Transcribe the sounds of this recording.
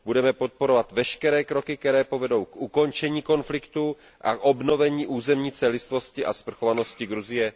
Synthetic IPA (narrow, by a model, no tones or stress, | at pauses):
budɛmɛpo̞t̪̚po̞ɾo̞vat̪vɛʃkɛɾɛːkɾo̞kɪk̚t̪ɛɾɛːpo̞vɛdo̞wkʔuko̞nt͡ʃɛɲiːko̞nflɪkt̪u | ʔa̰kʔo̞bno̞vɛɲiːʔuːzɛmɲiːt͡sɛlɪst̪vo̞scɪʔa̰spr̩xo̞vano̞scɪɡɾuzɪjɛ